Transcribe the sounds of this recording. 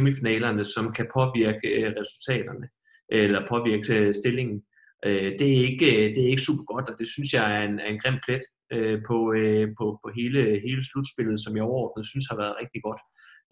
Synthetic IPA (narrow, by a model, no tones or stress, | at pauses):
emifinɛ̰ːlɐnəsɒ̽mkʰæpʰɒ̽ʋiɐɡ̥əʁɛsult͡sʰɛ̰ːd̥ɐnə | ʔelɐpʰɒ̽ʋiɐɡ̥əsd̥e̝le̝ŋn̩ | ʔød̥e̝æe̝ɡ̥əd̥e̝æɐe̝ɡ̥əsṵːb̥ɐ̥ɡ̥ɒ̽d̥ɒ̽d̥e̝synsjɑ̈ɪæɐenæɐe̝nɡ̥ʁem̰̥̚fʰled̥ | øpʰɒ̽øpʰɒ̽pʰɒ̽ɦe̝ːləɦe̝ːləslud̥sb̥e̝lð̩ˠsɒ̽mjɑ̈ɒʊɐɒ̰ːd̥n̩əð̩ˠsynshɑ̈ʋæɐðˠʁeɡ̥d̥iɡ̥ɒ̽d̥